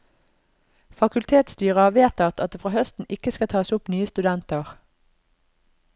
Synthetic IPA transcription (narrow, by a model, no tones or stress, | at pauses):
fɑkʉlt̪ʰeːt̪st̪yːʁɑʋeːt̪ɑt̪ɑt̪̚d̪eːfʁɑːhœst̪n̩ɪkəskɑt̪ʰɑːsʊpnyːəst̪ʉd̪ɛnt̪əʁ